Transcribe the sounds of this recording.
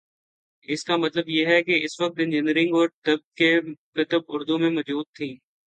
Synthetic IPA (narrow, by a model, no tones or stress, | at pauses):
ɪskamɐt̪ləbjeɦɛkeɪsʋɐk̚t̪ɪ̃nd͡ʒɪnəɾɪ̃ŋɡɔːɾʈɐb̚kekɪt̪əbʊɾd̪umẽmɐzbuːd̪̚t̪ʰĩː